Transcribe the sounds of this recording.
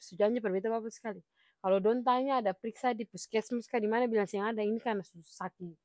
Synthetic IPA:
sud͡ʒaɲd͡ʒipərbet̪abapasə̥kali | kalodɔnt̪̬aɲaːdapəɾiksadipuskɛsmuskadimanabilaŋsiaŋadainikarnasusaki

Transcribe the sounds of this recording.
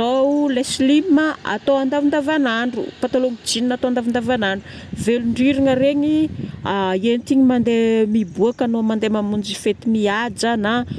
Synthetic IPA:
oulesliəa̰t̪oand̪avind̪avanaɳɖ͡ʐṵpat̪alomid͡ʒininat̪oand̪avand̪avanaɳɖ͡ʐu | veluɳɖ͡ʐiɾiŋəɾeɲiaienit̪iɲimand̪emibuakanomand̪emamund͡ʒifet̪imiad͡ʒana

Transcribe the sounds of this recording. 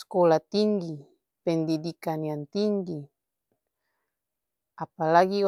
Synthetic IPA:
skolat̪iŋɡi | pend̪id̪ikaniant̪iŋɡi | apalaɡi

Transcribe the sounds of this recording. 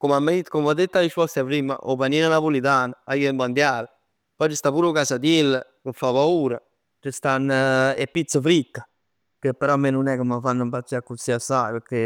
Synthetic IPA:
komamːit̪komad̪et̪ːaɾiʃpɔst̪apɾiːma̰ʔovaniːnanapolit̪aːnaajiemband̪jaːlə | pɔt͡ʃəst̪apuːɾokasad̪jelːəkəfapauːɾa | t͡ʃəst̪anːɛpːit̪sːəfɾikːa | kəpːɛɾɔmːenunɛkomafanːəmpasiakːusiasajpəɾke

